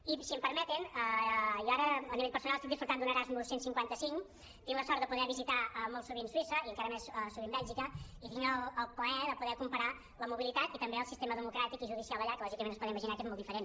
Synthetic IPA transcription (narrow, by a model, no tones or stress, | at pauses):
isiəmpəɾmɛt̪inəjaɾəːniβeʎpəɾsunalˠəst̪ik̚d̪isfɾuɾt̪and̪unəɾazmulˠsensiŋkwant̪əsiŋ | t̪iŋləsɔɾt̪əpuðɛβizit̪aəmolˠsuβinswisəiəŋkaɾəmɛsəsuβimbɛʎˠʒikəit̪iŋɡəlˠəlˠpləɛðəpuðɛkumpəɾa | ləmuβilit̪at̪it̪əmbeəlˠsist̪eməðəmukɾat̪ikiʒuðisialˠəʎaɾkːəlɔʒikəmenəspɔðɛiməʒinakezmɔlˠd̪ifəɾen